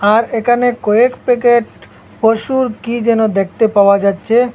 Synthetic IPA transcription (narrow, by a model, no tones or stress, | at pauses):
aɾekʰanekɔekpekeʈ | poʃuɾkid͡ʑɛnod̪ekʰt̪epaoad͡ʑatːɕʰe